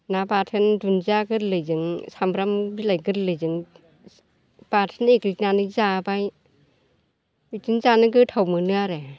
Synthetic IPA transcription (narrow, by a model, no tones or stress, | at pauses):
nabatʰɯndunzaɡɯɾlɯjzɯŋsambɾambilajɡɯɾlɯjzɯŋ | b̥atʰɯnekliknanɯzabaj | itɯnzanɯɡɯtʰawmɯnɯaɾe